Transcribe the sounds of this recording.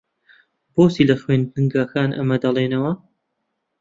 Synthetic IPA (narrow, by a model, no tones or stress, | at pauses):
b̥oːsiːlɐxwend̪ɨŋɡaːkaːnʔɐ̰mɐd̪ɐlˠeːnɐwɐ